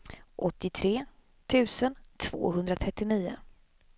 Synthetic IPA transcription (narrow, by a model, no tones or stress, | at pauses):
ʔɔt̪ːɪt̪ʰɾeː | t̪ʰʉ̟ːsənt̪ʰv̥o̰ːɦɵnd̪ɾat̪ʰɾɛt̪ːɪniːʊ̰